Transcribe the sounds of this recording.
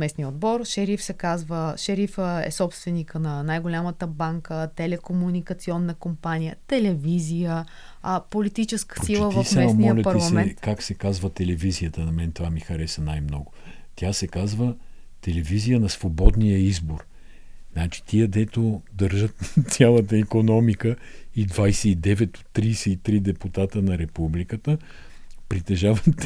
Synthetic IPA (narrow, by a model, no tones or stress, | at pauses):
mɛsnijəod̪̚bɔɾʃɛɾifsɛkazvəʃɛɾifəɛ̰sɔpst̪vɛnikənɐnajɡolʲamət̪əbaŋkət̪ɛlɛkomunikɐt̪siɔnːəkompanijət̪ɛlɛvizijə | polit̪it͡ʃɛskə̥sɾilˠəvvəsaɛsmɔəlʲɐtpɐɾilˠsɐmɛɛnt̪kaksɛkazvət̪ɛlɛvizijət̪ənɐmɛnt̪vamixɐɾɛsənajmnɔɡʊ | t̪ʲjasɛkazvə | t̪ɛlɛvizijənɐsvobɔd̪nijəizboɾ | nat͡ʃi̥t̪iəd̪ɛt̪od̪əɾʒət̪t̪sʲalˠət̪əikonɔmikəid̪vajsɛid̪ɛvɛt̪o̥t̪ːɾiːsɛit̪ɾid̪ɛput̪at̪ənɐɾɛpublikət̪ə | pɾit̪ɛʒavət̪